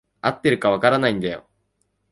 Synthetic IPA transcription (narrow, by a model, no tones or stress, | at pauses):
ɐt̪ːiɾɯkːɐʋɐkaɾɐnɐind̪ejo̰